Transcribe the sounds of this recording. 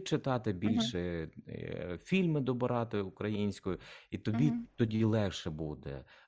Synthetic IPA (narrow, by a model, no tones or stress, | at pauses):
t͡ʃɪt̪ɑt̪ɪbʲilʲʃɛ | fʲilʲmɪd̪ɔbɔɾɑt̪ɪʊkɾɐjinʲsʲkɔjʊit̪ɔbʲit̪ɔdʲilˠɛxʃɛbud̪ɛ̰